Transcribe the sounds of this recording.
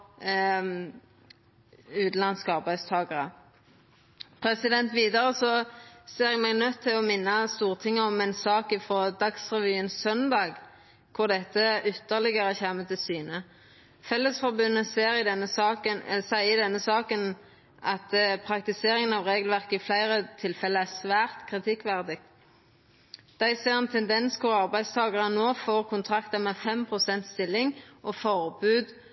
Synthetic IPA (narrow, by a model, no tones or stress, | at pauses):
ʉːt̪n̩lɑnskɑʁbæɪst̪ʰɑːɡɑʁə | pʰɾɛsɪd̪ɛnt̪ʋiːd̪əɾəsɔseːɾɛɡmɛːɡnœt̪ʰːɪlɔmɪnːəst̪uːʁt̪ʰɪŋːəɔmɛnsɑːkɪfɾoːd̪ɑksʁɛʋyːənsœnd̪ɑːɡ | kʰʊʁd̪ɛt̪ːəʏt̪ːəʁlɪɡəɾəçæmət̪ʰɪlsyːnə | fɛlːəsfɔʁbʉnːəɾəəsæɪɪd̪ɛnːəsɑːkən | ʔɑt̪pʰʁɑkt̪ɪseːɾɪŋənɑʋʁeːɡəlʋæʁkəɪflæɪʁət̪ʰɪlfɛləæʁsʋæːʁt̪kʰʁɪt̪ʰɪkːʋæʁd̪ɪɡ̪̚ | d̪̥æɪseːʁɛnt̪ʰɛnd̪ɛnskʰʊʁɑʁbæɪst̪ʰɑːɡɑʁənoːfoːʁkʰʊnt̪ʰʁɑkt̪ɑmɛːfɛmpʰʁʊsɛnt̪st̪ɪlːɪŋʔɔfɔʁbʉːd̪